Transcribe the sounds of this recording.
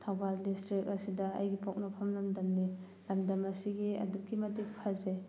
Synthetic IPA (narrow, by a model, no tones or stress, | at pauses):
tʰawbaldistɾik̚ɐsidɐ̰ːjɡipok̚napʰɐmlɐmdɐmni | lɐmdɐmɐsiɡiɐ̰dukːimɐtik̚pʰaze